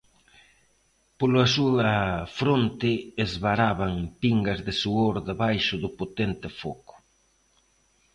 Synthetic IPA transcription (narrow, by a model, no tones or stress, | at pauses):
polɐsuɐfɾont̪ɪːzβaɾaβaŋpiŋɡɐzðɪsuoɾðeβajʃʊðʊpot̪ent̪ɪfokʊ̥